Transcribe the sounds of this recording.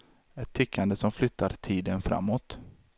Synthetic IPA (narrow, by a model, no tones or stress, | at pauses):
ɛt̪ʰːʏkʰːand̪əsɔmflʏt̪ʰːaɾt̪ʰiːd̪ənfɾa̰mːoːt̪